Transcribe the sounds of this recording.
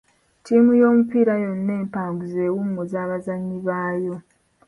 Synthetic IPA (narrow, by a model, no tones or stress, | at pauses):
tiːmujo̞ːmupiːɾajo̞nːe̞ːmpaːŋɡuze̞ːwumːozaːβazaɲːiβaːjo̞